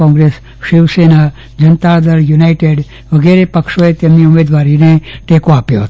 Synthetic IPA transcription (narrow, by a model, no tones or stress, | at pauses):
ɔ̃ŋɡɾes | ʃiʋsena | d͡ʑənt̪ad̪əɾjunaiʈeɖ | ʋəɡeɾepəkʂoet̪jemiumed̪ʋaɾineʈekoapjot̪